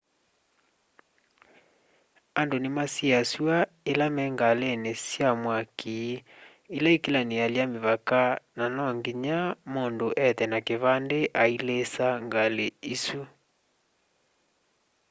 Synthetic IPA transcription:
andonemasiaswa | elamɛŋɡalenesjamwaki | ilaikelanealjameβakananɔŋɡiɲamoːndoʔɛtɛnakeβandeʔailesaŋɡaleisu

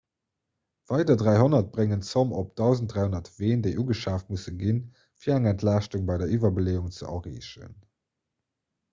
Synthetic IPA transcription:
v̥ɑɪdɐdʁæɪɦonɐt̚b̥ʁeŋənt͡somop̚d̥ɑʊzəntdʁaɪhonɐtv̥eːndeɪʔuːɡəʃaːft̚musəɡin | fiːɐæŋɛntʰlaːʃtuŋbɑɪdɐʔiːvɐbəleːuŋt͡səʔɐ̰ʁiːɕə̰n

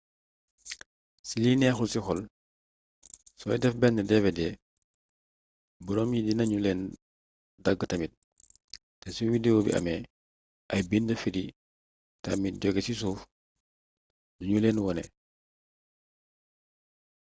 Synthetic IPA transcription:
silinɛxulsixɔl | sɔjdɛfbɛndɛdɛfɛdɛ | buɾɔmjidinɐɲulɛːn | dɐɡːətɐmit̚ | tɛsuwidewobḭʔɐ̰mɛ | ʔɐjbindəfiɾi | tɐ̰mit̚ɟɔɡesis̬uːf | duɲuleːnwɔnɛ̰

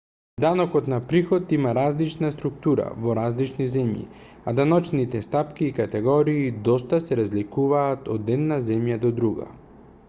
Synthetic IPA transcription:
d̪anɔkɔt̪napɾixɔt̪imaɾazlit͡ʃnast̪ɾuk̚t̪uɾa̰vɔɾazlit͡ʃnizɛmjḭ | ad̪anɔt͡ʃnit̪ɛst̪apkiːkat̪ɛɡɔɾiːd̪ɔst̪asɛɾazlikuvaːt̪ɔd̪ɛd̪nazɛmjad̪ɔd̪ɾuɡa̰

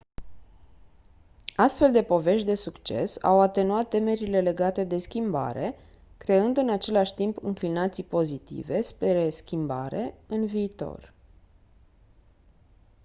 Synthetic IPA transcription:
ast̪fe̞ld̪e̞po̞ve̞ʃt̪d̪e̞sukt͡ʃe̞̰sa̰wat̪e̞nuat̪ːe̞me̞ɾile̞le̞ɡat̪e̞d̪e̞skʲimba̰ɾe̞ | kɾe̞ɨnd̪ɨnat͡ʃe̞laʃʲt̪impɨ̰ŋklinat̪sipo̞zit̪ḭve̞speɾeskʲimba̰ɾe̞ɨnviːt̪o̞̰r

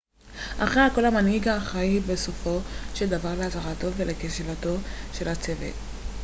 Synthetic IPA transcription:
ʔaχʁeako̞lamanhiɡaːχaibeso̞fo̞ʃeld̪avaʁleataʁato̞velekeʃelato̞ʃe̞lhat͡sevḛt

